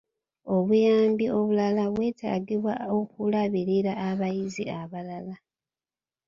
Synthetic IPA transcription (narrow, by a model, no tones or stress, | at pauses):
o̞βujaːmbio̞βulalaβwe̞ːta̰ːɡiβwao̞kulaβiɾiɾaːβajiziaβalala